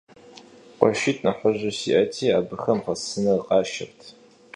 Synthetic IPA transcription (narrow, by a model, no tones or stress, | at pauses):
qʷɔʃiːtʰʼnɐħəʑʷɐsḭʔɐtʰiːaːbɨxɐmʁɐsɨnɐqʼɑːʃɐrtʰ